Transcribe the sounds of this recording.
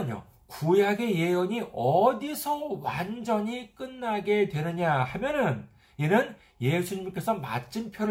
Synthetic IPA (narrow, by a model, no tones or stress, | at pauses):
ɲo̰ | kujɦaɡe̞je̞joɲiʔʌdisʰʌwand͡ʑʌɲik͈ɯnːaɡe̞dwe̞nɯɲahamjʌnɯn | inɯn | je̞sʰuɲimk͈e̞sʰʌma̰t͡ɕ͈ʰinpʰjʌɾ